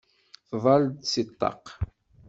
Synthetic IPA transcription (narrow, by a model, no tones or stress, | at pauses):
θvˤɑld̪sit̪ˤːɑ̰q